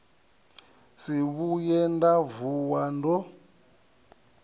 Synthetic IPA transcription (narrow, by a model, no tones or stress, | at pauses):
siβujɛndavuwandɔ